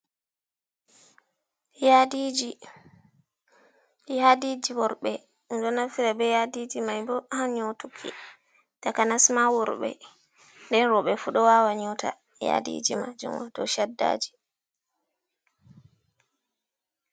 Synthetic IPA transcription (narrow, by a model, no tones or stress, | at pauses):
jadid͡ʒi | ɗihadid͡ʒiwɔɾɓɛ | d͡ʒɔnafiɾabɛjadid͡ʒimajbɔhaɲɔtukʰːḭ | takanasmawɔɾɓɛ̰ | ndɛnɾɔɓɛfuɗɔwawaɲuta̰ | ja̰dḭd͡ʒima̰d͡ʒṵmɔtɔ̰ʃadːa̰ːd͡ʒi̥